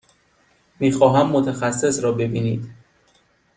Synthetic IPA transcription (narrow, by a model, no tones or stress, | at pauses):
miːxɒːɦæmːot̪ʰæxæsːe̞sɾɒːbe̞biːniːd̪